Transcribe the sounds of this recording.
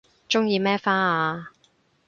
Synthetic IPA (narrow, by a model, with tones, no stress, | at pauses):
t͡ʃʊ˥ŋjiː˧mɛː˥faː˥aː˧